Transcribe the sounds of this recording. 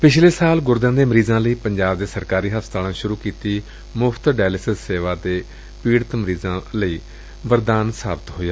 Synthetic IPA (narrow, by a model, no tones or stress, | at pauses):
pɪt͡ʃʰleːsaːlɡʊɾd̪ãːd̪eːməɾiːzãːləiːpəɲd͡ʒaːbd̪eːsəɾkaːɾiːɦəst̪aːlãːʃʊɾuːkiːt̪iː | mʊpʰt̪ɖɛːlɪsəsseːʋaːd̪eː | piːɽət̪məɾiːzãːləiː | bəɾd̪aːnsaːbɪt̪ɦoːjaː